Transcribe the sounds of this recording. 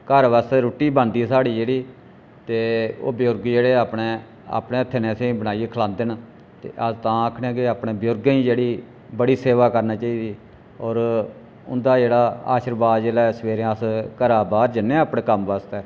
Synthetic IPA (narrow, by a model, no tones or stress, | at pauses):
kəɾʋaːst̪ɛːɾoːʈːiːbənd̪iːsaːɽiːd͡ʒeːɽiː | t̪eːo̰ːbɪjoɾɡd͡ʒeːɽeːaːpɽeː | a̰ːpɽeːət̪ʰːeːnẽːsẽːbəɽaːieːkʰəlãːnd̪en | t̪ḛːʔəzt̪ãːaːkʰnɛ̃ːkɪaːpɽeːbɪjoːɾɡĩːd͡ʒeːɽiː | bəɽiːseːʋaːkəɾnaːt͡ʃaːiːd̪iː | ɔːɾ | ʊ̰nd̪aːd͡ʒeːɽaːa̰ːʃəɾbaːd̪d͡ʒeːlaːsəʋeːɾẽəskəɾaːbaːd̪d͡ʒɪnːẽːaːpɳẽːkəmʋaːst̪ɛː